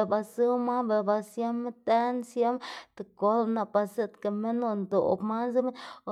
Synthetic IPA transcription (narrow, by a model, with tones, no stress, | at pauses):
ba˧sɨ˦ma˦be˧˨ba˧sja˦m˦t̪a˦nsja˦mt̪e˨ko˦lna˧˨pa˧se˦t̪ke˧˨me˦no˧nd̪o̰˨pma˦nzɨ˦me˦